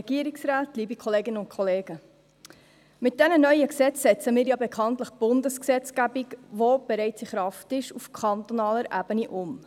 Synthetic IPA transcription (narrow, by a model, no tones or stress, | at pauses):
ɡ̥iəɾɪksɾaːtliːbikʰɔleːɡɪnəʊntkʰχɔleːɡ̥ə | mɪt̚d̥ɛnənœʏəksɛt͡ssɛt͡səmɪːɾjɑbekʰɑntləχb̥ʊndəsksɛt͡sɡ̥æbikvob̥ɛɾɛɪt͡siχɾɑftɪʃufkʰχɑnt̪onɑːləɾʔæb̥əniʔʊm